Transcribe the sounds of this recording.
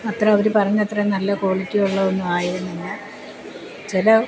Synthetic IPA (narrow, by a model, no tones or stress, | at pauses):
ɐt̪rɐɐʋɐɾupɐrɐɲːɐt̪rɐnɐlːɐko̞ːɭitʲːijuɭːɐðenːumaːjiɾunːenːɐ | t͡ɕilɐ